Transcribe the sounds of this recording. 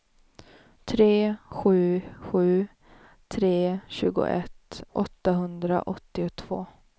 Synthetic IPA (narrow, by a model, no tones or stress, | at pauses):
t̪ʰɾeːɧʉ̟ːɧʉ̟ː | t̪ʰɾeːɕʉ̟ːɡʊ̰ʔɛt̪ʔɔt̪ːaɦɵnd̪ɾa̰ʔɔt̪ːɪʊt̪ʰv̥o̰ː